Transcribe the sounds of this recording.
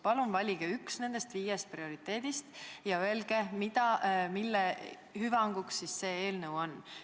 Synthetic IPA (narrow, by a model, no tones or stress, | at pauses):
pɑlunvɑlʲiɡ̥eyksne̞nd̪̥e̞st̪viːjest̪̚prio̞ɾit̪ːe̞ːd̪̥ist̪jɑøe̞lɡ̥e̞mid̪ɑmilːe | hyvɑŋɡ̥uksːisse̞eːlnəwo̞nː